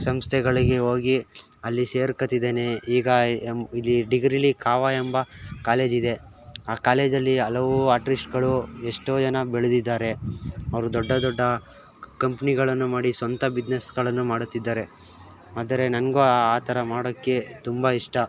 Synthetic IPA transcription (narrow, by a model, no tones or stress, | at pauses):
sɐmst̪ʰɛɡɐɭiɡeoːɡi | ɐlːiseːɾkɐt̪ːid̪eːne̞iːɡɐilːiɖiɡɾilikʰaːʋaːembɐkaːle̞ːd͡ʒid̪e̞ | aːkaːle̞ːd͡ʒɐlːiɐlɐʋuaːʈɾisʈɡɐɭueʂʈoːd͡ʒɐnɐbiɭud̪id̪ːaːɾe̞ɐʋɾud̪ɔɖːɐd̪ɔɖːɐ | kɐmpɐniɡɐɭɐnːumaːɽisʋɐnt̪ɐbid͡ʒnesɡɐɭɐnːumaːɽut̪ːid̪ːaːɾe̞ | aːd̪ɐɾe̞nɐnɡuaːt̪ʰɐɾɐmaːɽɐkːe̞t̪umbɐiʂʈɐ